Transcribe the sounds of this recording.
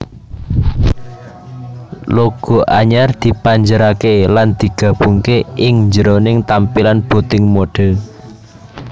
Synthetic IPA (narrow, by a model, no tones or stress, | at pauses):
loɡ̥o̤ʔaɲard̪̥i̤paɲd͡ʒəɾakeland̪̥i̤ɡ̥ä̤b̥uŋkeʔɪŋɲd͡ʒəɾonɪŋt̪ampilanb̥ot̪ɪŋmoɖ̥ɛ̤